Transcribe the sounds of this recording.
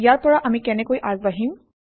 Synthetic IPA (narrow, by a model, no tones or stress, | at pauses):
ijaɹpɔɹaʔamikɛnɛkojʔaɡbaɦĩm